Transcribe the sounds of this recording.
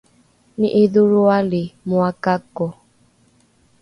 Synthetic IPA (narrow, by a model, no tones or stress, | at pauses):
niʔeðuɾualɪmuakakɔ